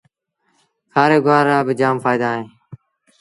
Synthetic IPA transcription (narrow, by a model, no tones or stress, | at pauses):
kʰaːɾeːɡʊaːɾaːbɪd͡ʒaːmfaːɪd̪aːɦẽː